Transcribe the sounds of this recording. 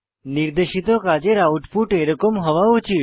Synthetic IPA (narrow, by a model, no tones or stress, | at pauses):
niɾd̪eʃit̪okad͡ʒeɾauʈfuʈeɾəkomɦəʋaũt͡ʃʰi